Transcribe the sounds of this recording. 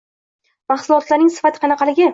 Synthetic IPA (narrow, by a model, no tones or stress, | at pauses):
mɑχsʊlˠɒt̪laɾnɪŋsɪ̥fat̪ʰɪ̥qʰɑnɑqʰɑlɪɡʲɪ